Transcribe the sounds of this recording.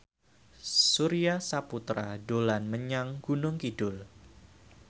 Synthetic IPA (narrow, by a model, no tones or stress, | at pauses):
suɾiasaput̪ɾadolanməɲaŋɡunʊŋkidʊl